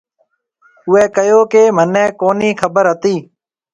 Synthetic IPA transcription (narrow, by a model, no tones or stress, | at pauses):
ʊɛːkəjoːkeːmənɛ̃ːkoːniːkʰəbəɾɦət̪iː